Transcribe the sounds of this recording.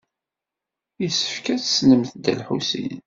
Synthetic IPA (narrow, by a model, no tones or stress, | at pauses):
jisə̥fkæt͡ssnəmθd̪ə̰lħusḭn